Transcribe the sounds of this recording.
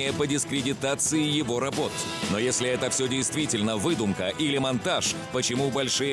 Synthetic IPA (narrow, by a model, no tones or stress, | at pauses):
ɪjəpədʲɪskɾʲɪdʲɪt̪at̪sɨɪjɪvo̞ɾɐbo̞t̪no̞jesʲlʲɪɛt̪əfsʲɵdʲɪjst̪vʲitʲɪlʲnəvɨd̪ʊmkəʔilʲɪmɐnt̪aʂpət͡ɕɪmubɐlʲʂɨjə